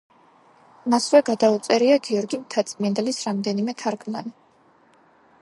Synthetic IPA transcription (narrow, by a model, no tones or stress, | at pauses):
masvɛɡad̪aut̪sʼɛɾiaɡiɔɾɡimt̪ʰat̪sʼmiɛnd̪ɛlisɾamd̪ɛnimɛt̪ʰaɾkʰʼmani